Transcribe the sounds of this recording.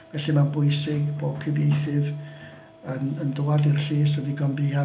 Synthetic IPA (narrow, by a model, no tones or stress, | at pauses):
vɛɬimanbʊɨsɪɡboːkʰəbejθɪv | ənəndʊwadɪrɬeːs̬ədiɡɔnbia